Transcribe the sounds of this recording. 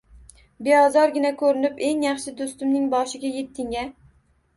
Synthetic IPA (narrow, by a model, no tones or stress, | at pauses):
beɒzɒɾɡʲɪnakʰɵɾɪnɪpe̞ŋjɑχʃɪd̪ost̪ɪmnɪŋbɒʃɪɡʲaje̞t̪ʰːɪŋa